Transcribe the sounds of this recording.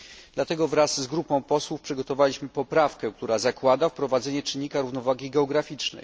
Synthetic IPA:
d̪̥lat̪ɛɡɔvɾasːɡɾupɔ̃w̃pɔswufpʂɘɡɔt̪ɔvalʲiɕmɘpɔpɾafkɛ̃k̚t̪uɾazakwad̪afpɾɔvad̪zɛɲɛt͡ʂɘɲʲːikaɾuvnɔvaɡʲiɡɛɔɡɾafʲit͡ʂnɛ̰j

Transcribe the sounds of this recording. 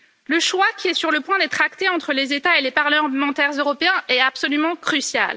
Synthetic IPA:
ləʃwakʲʰiɛsyʁləpwɛ̃d̪ɛt̪χakt̪eɑ̃t̪χəlezet̪aelepaʁləmɑ̃t̪ɛʁzøʁɔpeɛ̃ɛapsɔlymɑ̃kχysja̰l

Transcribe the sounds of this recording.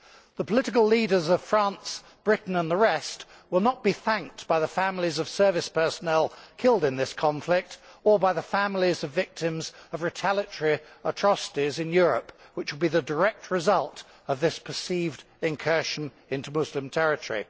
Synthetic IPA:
ðəpʰəlɪɾɨk̬əl̩ˠliɾə˞zʌv̥fɹæ̃ns | b̥ɹɪʔn̩ə̃nðəɹɛst | wəlˠnət̚b̥iθæ̃ŋk̚tb̥aɪðəfæ̃ml̩ˠizʌv̥sɜ˞vɨspʰɜ˞sənɛlˠkʰɪlˠdɨ̃nðɪskʰɑ̃ɱflɪk̚tə˞baɪðəfæ̃ml̩ˠizʌvɪk̚tʰɨ̃mzʌvɹɨtʰælˠɨtɹ̥iətʰɹ̥ɑsə̥ɾizɨ̃njʊɹə̰pwɨt͡ʃwəlˠbiðɨdə˞ɛk̚t̚ɹɨzʌlˠt | ʌvðɪspʰə˞sivd | ɨ̃nkʰɜ˞ʃɨ̃n | ɪ̃ntʉmʊzlɨ̃mtʰɛɹɨtə˞ḭ

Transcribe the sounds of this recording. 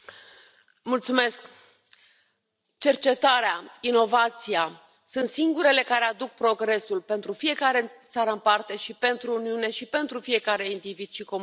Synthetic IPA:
mult̪sume̞sk | t͡ʃe̞rt͡ʃe̞t̪aɾeaino̞vat̪sija | sunt̪siŋɡuɾe̞le̞kaɾe̞ad̪uk̚pɾo̞ɡɾe̞sulpe̞nt̪ɾufije̞kaɾe̞t̪saɾəɨmpart̪e̞ʃipe̞nt̪ɾuːniune̞ʃipe̞nt̪ɾufije̞kaɾe̞ind̪ivid̪̥ʃikom

